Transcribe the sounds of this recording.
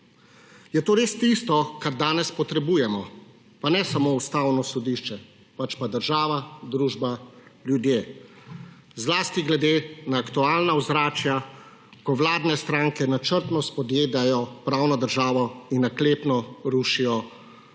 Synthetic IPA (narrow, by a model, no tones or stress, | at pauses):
jɛt̪oːɾeːst̪ist̪ɔkaɾd̪aːnɛspɔt̪ɾɛbuːjɛmɔ | panɛsamoust̪awnɔsɔd̪iʃt͡ʃɛ | pat͡ʃpad̪əɾʒaːʋad̪ɾuːʒbaljud̪jeː | zlaːst̪iɡlɛd̪eːnaːkt̪uaːlnawzɾaːt͡ʃja | kɔʋlaːd̪nɛst̪ɾaːŋkɛnat͡ʃəɾt̪nɔspɔd̪jeːd̪ajɔpɾaːwnɔd̪əɾʒaːʋɔinːakleːpnɔɾuʃijɔ